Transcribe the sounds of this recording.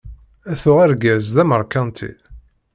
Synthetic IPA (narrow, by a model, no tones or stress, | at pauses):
æθʊʁæɾɡæzðæməɾˤkɑnt̪ʰḭ